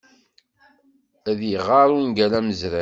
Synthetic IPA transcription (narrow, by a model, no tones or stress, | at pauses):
æðjəʁɑɾˤuinɡælæməzɾæ